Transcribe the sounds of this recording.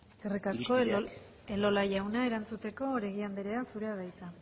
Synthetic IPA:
ɡerikasko̞ | e̞lo̞laʝawnae̞ɾant͡sut̪e̞ko̞ɾe̞ɣiand̪eɾe̞asuɾe̞að̞ajt͡sa

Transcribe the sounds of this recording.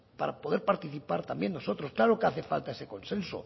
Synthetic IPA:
paɾapo̞ðe̞ɾpaɾt̪iθipaɾt̪ambje̞nno̞so̞t̪ɾo̞sklaɾokeaθefa̰lt̪aese̞ko̞nsenso̰

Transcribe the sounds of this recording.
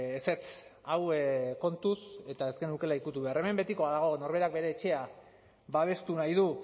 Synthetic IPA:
ese̞t͡sawko̞nt̪use̞t̪ae̞ske̞nukelaikut̪uβe̞aɾeme̞mbe̞t̪iko̞aðaɣ̞o̞no̞ɾβe̞ɾak̚be̞ɾe̞ːt͡ʃe̞a | βaβ̞e̞st̪unajð̞u

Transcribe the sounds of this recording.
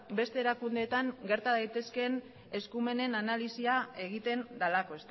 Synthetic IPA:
be̞st̪e̞ːɾakund̪e̞ːt̪aŋɡe̞ɾt̪aðajt̪e̞ske̞n | e̞skume̞ne̞nanalisiae̞ɣ̞it̪e̞nd̪alako̞e̞st̪

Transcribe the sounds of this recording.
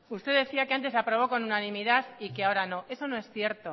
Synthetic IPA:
ust̪e̞ðe̞θiake̞ant̪e̞s̬apɾo̞βo̞ko̞nunanĩmiðaθike̞ao̞ɾano̞e̞so̞noe̞sθje̞ɾt̪o

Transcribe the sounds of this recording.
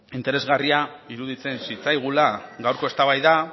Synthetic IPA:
int̪e̞ɾe̞zɣariaiɾuðit͡se̞nsit͡sajɣ̞ulaɡawɾko̞e̞st̪aβajða

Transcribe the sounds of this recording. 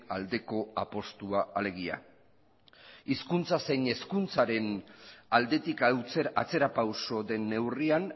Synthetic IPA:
ald̪e̞ko̞apo̞st̪uaːle̞ɣ̞ia̰ | iskunt͡sase̞jɲe̞skunt͡saɾe̞nald̪e̞t̪ikawt͡seɾa̰t͡se̞ɾapawso̞ðe̞nːe̞wrian

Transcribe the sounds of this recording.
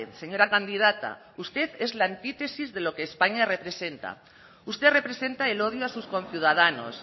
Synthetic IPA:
seɲo̞ɾakand̪ið̞at̪a̰ | ust̪e̞θe̞zlant̪it̪e̞sizðe̞lo̞keːspaɲare̞pɾe̞se̞nt̪a̰ | ust̪ere̞pɾe̞se̞nt̪aelo̞ð̞joasusko̞nθjuðað̞ano̞̰s

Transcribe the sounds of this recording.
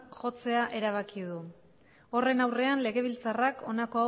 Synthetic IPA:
ʝo̞t͡se̞aʔe̞ɾaβ̞akiðu | o̞re̞nawre̞anle̞ɣe̞β̞ilt͡sarako̞nako̞a

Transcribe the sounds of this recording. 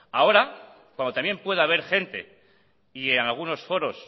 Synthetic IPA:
ao̞ɾa | kwand̪ot̪amje̞mpwe̞ðaβ̞e̞ɾxe̞nt̪e̞̰ | ienalɣ̞uno̞sfo̞ɾo̞s

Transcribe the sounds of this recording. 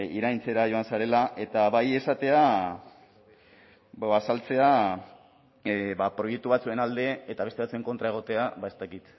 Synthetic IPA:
iɾajnt͡se̞ɾaʝo̞ansaɾe̞laʔe̞t̪aβaje̞sat̪e̞a | basalt͡se̞a | bapɾo̞je̞k̚t̪uβat͡sue̞nald̪e̞ːt̪aβe̞st̪eat͡sue̞ŋko̞nt̪ɾae̞ɣ̞o̞t̪e̞aβae̞st̪akit̪

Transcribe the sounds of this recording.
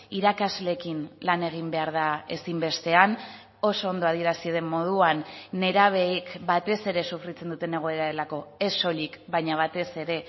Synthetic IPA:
iɾakazle̞kinlane̞ɣ̞imbe̞aɾð̞ae̞simbe̞st̪e̞an | o̞so̞ːnd̪o̞að̞ie̞ɾasieðe̞mmo̞ð̞uanːe̞ɾaβ̞e̞kbat̪e̞se̞ɾe̞sufrit͡se̞nd̪ut̪e̞ne̞ɣ̞o̞e̞ɾaɾe̞lako̞e̞so̞likbajɲaβ̞at̪e̞se̞ɾe̞

